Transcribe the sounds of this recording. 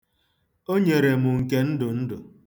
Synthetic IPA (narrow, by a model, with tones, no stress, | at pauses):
o˦ɲe˨ɾe˨mʊ˨ŋ̩˨ke˦n̩˦dʊ˨n̩˦dʊ˨